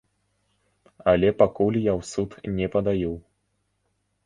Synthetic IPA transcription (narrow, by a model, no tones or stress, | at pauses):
ɐlʲɛpakulʲjawsut̪nʲɛpɐd̪ajɛw